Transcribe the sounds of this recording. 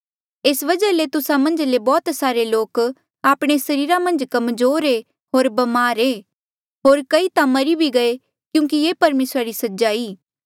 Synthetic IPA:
esʋɐd͡ʒəlet̪ʊsamɐ̃nd͡ʒlebɔːt̪saːɾeloːk | aːpɽ̃esɐɾiːɾamɐ̃nd͡ʒkɐmzoːɾe | ɦoːɾbɐmaːɾeː | ɦoːɾkɐit̪amɐɾibʱiɡɐe | kjũːk̬ijeːpɐɾmeːsɾaɾisɐd͡ʒaːiː

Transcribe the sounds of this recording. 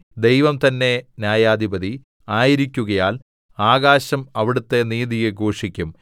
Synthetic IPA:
d̪e̞jʋɐmt̪ɐnːe̞njaːjaːd̪ʱibɐði | aːjiɾikʲːuɣɐjaːl | aːɣaːɕɐmɐʋiɽut̪ːe̞niːðijeɡʱoːʂikʲːum

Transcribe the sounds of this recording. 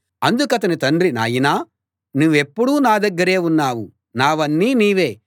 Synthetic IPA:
ɐnd̪ukɐt̪̬ɐnit̪ɐnɾina̰ːjinaː | nuːʋe̞pːuɽuːnaːd̪ɐɡːɐɾe̞ːunːaːʋu | naːʋɐnːiːniːʋe̞ː

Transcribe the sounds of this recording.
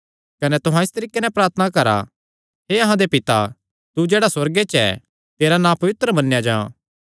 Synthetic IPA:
kɐnɛt̪ʊɦãɪst̪ɐɾiːkːenɛpɾaːɾt̪ʰənakɐɾa̰ | ɦeɐɦãd̪epɪt̪a | t̪ud͡ʒeːɽaswɐɾɡet͡ʃɛ̰ | t̪eːɾanãːpɐʋɪt̪ɾəmɐnːejad͡ʒãː

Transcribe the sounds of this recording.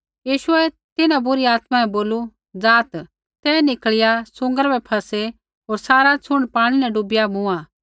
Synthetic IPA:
jiːʃʊɛ | t̪ɪnãbʊɾiaːt̪mãɛ̃boːlu | d͡zaːt̪ | t̪ɛnɪkɭɪjasʊ̃ŋɡəɾbɛpʰɐse | ɦoːɾsaːɾat͡sʰʊɽ̃paːɽ̃inɛ̃ɖʊbɪjamʊ̃a

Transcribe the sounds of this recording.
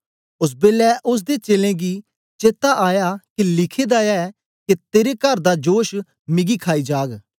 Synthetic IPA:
ʊs̬beːlɛʔʊs̬d̪et͡ʃeːlẽɡi | t͡ʃeːt̪aʔaːjakelɪkʰed̪aɛɛ | ket̪eːɾekɐɾd̪ad͡ʒoːʃ | mɪɡikʰaːid͡ʒaːɡ

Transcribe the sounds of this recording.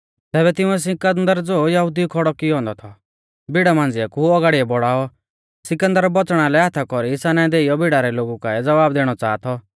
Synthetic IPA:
t̪ɛːbɛt̪ɪ̃ũɛs̬ɪ̃kənd̪əɾd͡zoːjɐɦud̪ikʰɔɽɔkɪɦɔ̃ːnd̪ɔt̪ʰɔ | bʱɪɽamãːnd͡zɪakuɔɡaːɽiɛbɔɽaːɔ | sɪkə̃nd̪əɾbɔt͡sɽ̃alɛɦat̪ʰakɔɾiɪsanaɛ̃d̪eːijɔbɪɽaɾɛloːɡukaɛd͡zɐʋaːbd̪eːɽ̃ɔt͡saːt̪ʰɔ

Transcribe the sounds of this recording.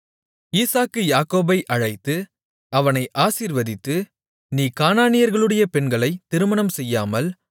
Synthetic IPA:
iːsaːkːɯjaːkoːbɐɪʔɐɻɐɪt̪ːɯ | ɐʋɐnɐɪʔaːsiːɾʋɐðɪt̪ːɯ | niːkaːnaːnɪjɐɾɣɐɭɯɽɐjɐpɛnɡɐɭɐɪt̪ːɪɾɯmɐnɐmsɛjːaːmɐl

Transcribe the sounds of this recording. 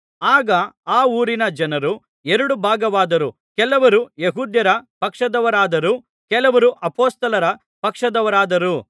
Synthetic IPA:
aːɡɐaːuːɾinɐd͡ʒɐnɐɾu | eɾɐɽubʱaːɡɐʋaːd̪ɐɾu | kɛlɐʋɐɾujeɦuːd̪jɐɾɐpɐkʂɐd̪ɐʋɐɾaːd̪ɐɾu | kɛlɐʋɐɾuʔɐpoːst̪ɐlɐɾɐ | pɐkʂɐd̪ɐʋɐɾaːd̪ɐɾu

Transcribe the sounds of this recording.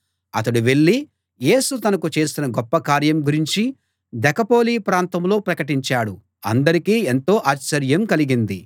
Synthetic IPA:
ɐt̪ɐɽuʋe̞ɭːi | je̞ːsut̪ɐnɐkut͡ʃe̞ːsinɐɡɔpːɐkaːɾjɐmɡuɾiɲt͡ʃi | d̪ɛkɐpo̞ːliːpɾaːnt̪ɐmlo̞ːpɾɐkɐʈiɲt͡ʃaːɽu | ɐ̰nd̪ɐɾikiːent̪o̞ːʔaːt͡ʃːɐɾjɐmkɐliɡind̪i

